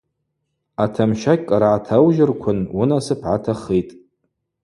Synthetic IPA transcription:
atʰamʃakʲʼkʼaɾaʕːtʰawʒɪrkʷʰʊnʊnasɨpʰʕatʰaχejtʼ

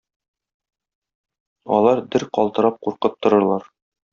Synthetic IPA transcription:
ɒ̰lˠɑɾd̪ɘɾqɒlˠt̪ɤ̆ɾɑp̚quɾqɤp̚t̪ŏɾɤ̆ɾlˠɑɾ

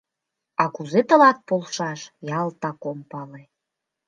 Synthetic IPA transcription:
ɑkuzet̪ə̆lɑt̪̚polʃɑʃjɑlt̪ɑkompɑle

